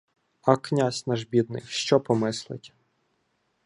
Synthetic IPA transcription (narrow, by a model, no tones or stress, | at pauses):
ɐknʲasʲnɑʒbʲid̪nɪ̰xʃt͡ʃɔpɔmɪslˠɪ̰tʲ